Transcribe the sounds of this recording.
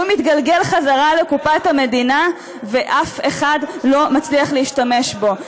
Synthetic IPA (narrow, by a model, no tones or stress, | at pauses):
umit̪ɡalɡe̞lχazaʁalekupathame̞dina | ve̞ʔafe̞χadlo̞mat͡sliaχleiʃtame̞ʃbo̞